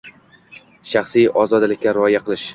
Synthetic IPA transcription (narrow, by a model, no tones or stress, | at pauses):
ʃɑχsijɒzɒd̪lɪkʲːaɾɪɒjaqʰɨlɪʃ